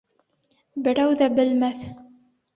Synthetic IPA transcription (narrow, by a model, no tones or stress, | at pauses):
bɘ̆ɾæwðæbɘ̆lmæθ